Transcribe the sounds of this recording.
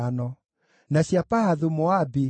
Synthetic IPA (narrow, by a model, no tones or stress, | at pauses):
anɔ | naɕjapahaðumoabi